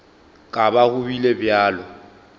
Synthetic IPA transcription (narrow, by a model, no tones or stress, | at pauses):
kʼabaɣʊbilebjaːlɔ